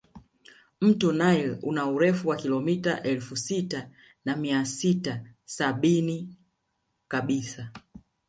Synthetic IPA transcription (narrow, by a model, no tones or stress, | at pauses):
m̩tɔnailṵnauɾɛfuwakilɔmita̰ʔɛlfusita | namiasitasaɓini | kaɓisa